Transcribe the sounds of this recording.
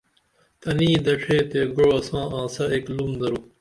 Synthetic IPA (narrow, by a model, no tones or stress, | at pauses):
t̪ɐniːd̪ɐʂʰeːt̪eːɡuɻɐsãːãːsɐeːklumd̪ɐɾu